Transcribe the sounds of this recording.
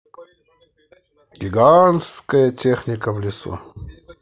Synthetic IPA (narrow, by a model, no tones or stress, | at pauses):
ɡʲɪɡanskəjətʲexnʲɪkəvlʲɪsṵ